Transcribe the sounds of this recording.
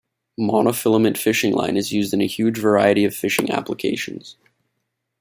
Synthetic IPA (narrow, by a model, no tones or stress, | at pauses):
mɑnəfɪlˠəmɨ̃ntfɪʃɪ̃ŋlã̰ɪ̃nɨzjʉzdɨ̃nɨhjʉd͡ʒvə˞aɪɨɾiʌv̥fɪʃɪ̰̃ŋæ̰pləkʰḛɪʃɨ̃n̩z̥